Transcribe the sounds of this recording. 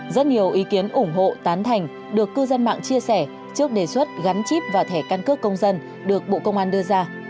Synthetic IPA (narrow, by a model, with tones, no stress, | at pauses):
zə˦˥t̚ɲi˨˩əwʔi˨˦ki˨˦ənʔʊ˧˩ŋ͡mɦo̰˧˨t̪aː˨˦nt̪ʰa˨˩jŋ̟ | ɗɨ˨˩əkːɨ˧zə˧nma̰ː˧˨ŋt͡ɕi˧əsɛ˧˩ | t͡ɕɨ˦˥ək̚ɗe˧˩swə˦˥t̚ɣa˨˦nt͡ɕi˦˥p̚vaː˨˩t̪ʰɛ˧˩kaː˧nkɨ˦˥əkːə˧wŋ͡mzə˧n | ɗɨ˨˩ək̚ɓo̰˧˨kə˧wŋ͡mʔaː˧nɗɨ˧əzaː˧